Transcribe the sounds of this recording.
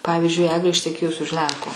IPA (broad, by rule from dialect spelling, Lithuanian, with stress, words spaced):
ˈpɑːʋʲiːzʲd͡ʒʲʊɪ ˈæːɡlʲeː ɪʃʲtʲɛˈkʲeːjʊs ʊʃ ˈlʲɛŋkoː